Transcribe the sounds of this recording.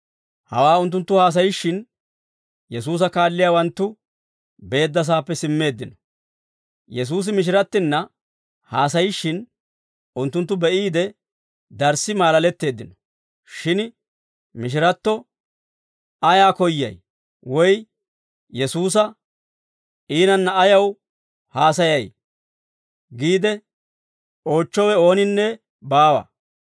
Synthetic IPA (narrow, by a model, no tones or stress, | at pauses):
hɐ̰waːʊnt̪ːʊnt̪ːʊhaːs̬ɐjɪʃːɪn | jɛs̬uːs̬ɐkaːlːɪjaːwɐnt̪ːʊ | be̞ːd̪ːɐs̬aːpːɛsɪmːe̞ːd̪ːɪnɔ | jɛs̬uːs̬ɪmɪʃ̬ɪɾɐt̪ːɪnːɐ | haːs̬ɐjɪʃːɪn | ʊnt̪ːʊnt̪ːʊbɛʔiːd̪ɛ | d̪ɐɾsɪmaːlɐlɛt̪ːe̞ːd̪ːɪnɔ̥ | ʃɪn | mɪʃ̬ɪɾɐt̪ːɔ | ɐjaːkɔjːɐ̰j | wɔj | jɛsuːs̬ɐ | iːnɐnːɐːjɐw | haːs̬ɐjɐj | ɡiːd̪ɛ | o̞ːt͡ʃːɔwɛo̞ːnɪnːɛ | baːwɐ̰